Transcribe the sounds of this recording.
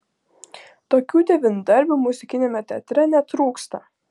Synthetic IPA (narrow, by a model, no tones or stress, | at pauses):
t̪oːkʲuːd̪ʲɛʋʲɪnud̪ɐɾʲbʲuːmʊzʲɪkʲɪnʲemʲɛt̪ʲɛːt̪ʲɾʲɛnʲɛt̪ɾuːkst̪ɐ